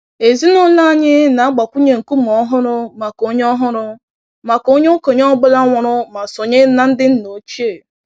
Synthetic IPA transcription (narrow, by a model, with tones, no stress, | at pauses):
e˨zi˦nʊ˦la˦˨ɲɪ˦na˨a˦ɡ͡ba˨kʷu˦ɲe˦˨ŋ̩˨ku˦m˨ɔ˦ɦʊ˦ɾʊ˦ma˨ko˦ɲ˦ɔ˦ɦʊ˦ɾʊ˦ | ma˨ko˦ɲe˦o˦ko˨ɲ˦ɔ˦ɡ͡bʊ˦la˦ŋʷɔ˨ɾʊ˦ma˨sʊ˨ɲɪ˦na˦n̩˦dɪ˦n̩˦no˨t͡ʃe˦˨